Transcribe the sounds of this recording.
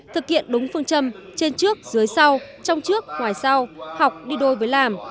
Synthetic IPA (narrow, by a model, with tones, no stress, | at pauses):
t̪ʰɨ˨˩k̚hḭ˧˨ənɗʊ˨˦ŋ͡mfɨ˧əŋt͡ɕə˧mt͡ɕe˧nt͡ɕɨ˦˥ək̚zɨ˨˦əjsa˧w | t͡ɕɔ˧wŋ͡mt͡ɕɨ˦˥ək̚ŋwaː˨˩jsa˧wha˨˩wk͡p̚ɗi˧ɗo˧jvəː˨˦jlaː˨˩m